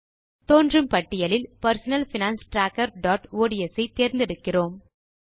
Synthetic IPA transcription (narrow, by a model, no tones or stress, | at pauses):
t̪oːndrɯmpɐʈːɪjɐlɪlpɐɾsɐnɐlfɪnaːnsʈɾaːkːɐɾɖɔːʈoːɽiɛsɐɪt̪ːeːɾnd̪ɛɽɯkːɪroːm